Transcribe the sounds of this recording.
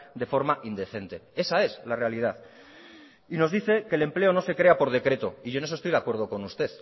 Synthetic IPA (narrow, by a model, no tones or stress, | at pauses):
d̪e̞fo̞ɾmaʔind̪e̞θe̞nt̪e̞e̞sae̞slare̞alið̞aθ | ino̞zðiθe̞ke̞ːle̞mple̞o̞no̞se̞kɾe̞apo̞ɾð̞e̞kɾe̞t̪o̞iʝo̞nes̬ost̪ojðakwe̞ɾð̞o̞ko̞nust̪e̞ð